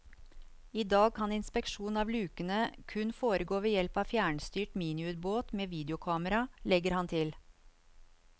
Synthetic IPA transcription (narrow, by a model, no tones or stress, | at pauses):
iːd̪ɑːɡ̚kʰɑnɪnspɛkʃuːnɑːʋlʉːkənəkʰʉnfoːɾəɡoːʋeːjɛlpɑːʋfjæːɳst̪yːʈmiːnɪʉːt̪boːt̪meːʋiːd̪əʊkʰɑːməɾɑlɛɡəɾhɑnt̪ʰɪl